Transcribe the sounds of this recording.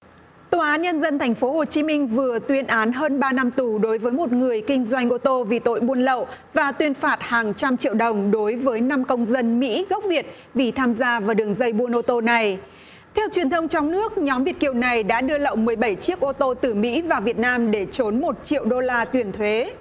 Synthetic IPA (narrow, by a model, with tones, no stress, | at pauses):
t̪o˧˩ʔaː˨˦nɲə˧nzə˧nt̪ʰɛ˨˩ŋ̟fo˨˦ɦo˨˩t͡ɕi˨˦mï˧ŋ̟vɨ˨˩ət̪wi˨˧ənʔaː˨˦nɦəː˧nɓaː˧na˧mt̪u˨˩ɗo˨˦jvəː˨˦jmo˨˩t̚ŋɨ˨˩əjkï˧ŋ̟zwa˧jŋ̟ʔo˧t̪o˧vḭ˧˨t̪o̰˧˨jɓu˧ənlə̰˧˨wʔvaː˨˩t̪wi˧ənfaː˨˩t̚haː˨˩ŋt͡ɕa˧mt͡ɕḭ˧˨əwɗə˨˩wŋ͡mɗo˨˦jvəː˨˦jna˧mkə˧wŋ͡mzə˧nmḭ˧˥ɣə˦˥wk͡p̚vi˨˩ət̚ | vi˨˩t̪ʰaː˧mzaː˧vaː˨˩wɗɨ˨˩əŋzə˧jɓu˧ənʔo˧t̪o˧na˨˩j | t̪ʰɛ˧wt͡ɕwi˨˩ənt̪ʰə˧wŋ͡mt͡ɕɔ˧wŋ͡mnɨ˦˥ək̚ɲɔ˨˦mvi˨˩ət̚ki˨˩əwna˨˩jɗa̰ː˧˥ɗɨ˧ələ̰˧˨wmɨ˨˩əjɓə˧˩jt͡ɕi˦˥ək̚ʔo˧t̪o˧t̪ɨ˨˩mḭ˧˥vaː˨˩vi˨˩ət̚naː˧mɗe˧˩t͡ɕo˨˦nmo˨˩t̚t͡ɕḭ˧˨əwɗo˧laː˧t̪wi˨˩ənt̪ʰwe˨˦